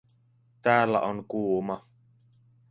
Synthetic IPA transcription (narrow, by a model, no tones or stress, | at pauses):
t̪æːlːæ̰ʔoŋkuːmɑ